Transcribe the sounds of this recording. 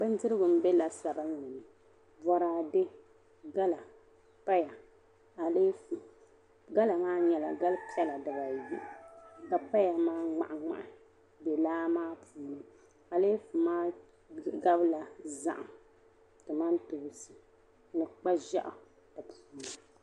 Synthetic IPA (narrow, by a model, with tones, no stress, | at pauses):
k͡pɨ˦n˦dɨ˦ɾɨ˦ɡʊ˨m̩˦bɛ˦la˨sa˨ba˦ɲi˨nɨ˨ | vɔ˨ɾaː˨dɪ˦ | ɡa˦la˨ | pa˦ja˨ | a˨le˦f | ɡa˦la˨maː˦ɲɛ˨la˨ɡa˦lpi˦ɛ˦la˨da˨ba˨ji˦ʔka˨pa˦ja˨maː˦ŋ͡ma̰˨ʔa˨ŋ͡ma̰˨ʔɪ˨ | be˨laː˦maː˦pʰuː˨nɨ˦ | a˨le˦fu˨maː˦ | ɡa˦bla˨za̰˦˨ʔa̰˨ | tɨ˨ma˦nto˨sɨ˨ | nɨ˨k͡pa˦ʒa̰˦ʔʊ˨ | da˨pʰuː˦na˨